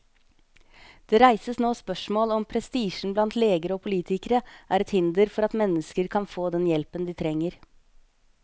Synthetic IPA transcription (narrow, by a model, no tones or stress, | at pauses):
d̪̥eːɾæɪsəsnoːspœʂmoːlɔmpʰɾɛst̪iːʃn̩blɑnt̪leːɡəɾəoːpʰʊliːt̪ɪkəɾəʔæːɾɛt̪hɪnd̪əɾfɔɾɑt̪mɛnːəskəɾkʰɑnfoːd̪ɛnjɛlpənd̪iːt̪ʰɾɛŋːəɾ